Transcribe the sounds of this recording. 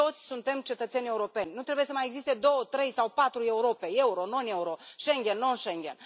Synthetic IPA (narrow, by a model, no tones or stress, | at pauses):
o̞t̪sʲsunt̪e̞mt͡ʃe̞t̪ət̪sʲenʲe̞uɾo̞pe̞nʲnut̪ɾe̞buje̞səmajeɡzist̪e̞d̪o̞wət̪ɾe̞jsawpat̪ɾue̞uɾo̞pe̞e̞uɾo̞no̞neuɾoʃeŋɡʲenːonʃeŋɡʲen